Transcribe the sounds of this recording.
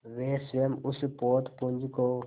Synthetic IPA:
ʋeːsʋemʊspoːt̪pũnd͡ʒkoː

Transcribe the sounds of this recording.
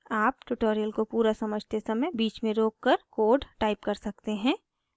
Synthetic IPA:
aːpʈʊʈoːɾijəlkopuːɾasɐməd͡ʒʱt̪esɐməjbiːt͡ʃmẽɾoːkːɐɾkoːɖʈaːɪp̚kɐɾsɐk̚t̪eɦɛ̃ː

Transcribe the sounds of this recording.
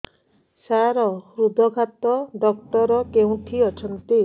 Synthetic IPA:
saɾɔhɾud̪ʱɔɡʱat̪ɔɖɔk̚ʈɔɾɔkeũʈ̪ʰiɔt͡ʃʰɔnt̪i

